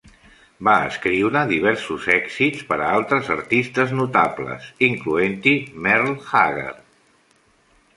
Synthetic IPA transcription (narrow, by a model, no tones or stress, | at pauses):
baə̰skɾiwɾəðiβ̞ɛɾsuzɛksitt͡spəɾəalˠt̪ɾəzə̰ɾt̪ist̪əznut̪ablə̰siŋkluent̪imɛrlxaɣḛr